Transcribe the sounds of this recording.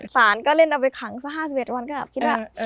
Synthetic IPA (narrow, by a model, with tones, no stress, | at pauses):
saː˩˦nkɔː˥˩le˥˩nʔa˧wpa˧jkʰa˩˦ŋsa˦˥ɦaː˥˩si˨˩e˨˩t̚wa˧nkɔː˥˩ɡɛ̰˨˩pkʰi˦˥t̚waː˥˧˩